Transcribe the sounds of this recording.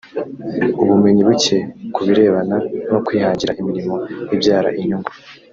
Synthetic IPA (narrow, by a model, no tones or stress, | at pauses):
uβume̞ɲiβuce̞kuβiɾe̞ːβananokwihaːɲɟiɾa̰ʔimiɾimo̞jibjaːɾa̰ʔiɲuŋɡu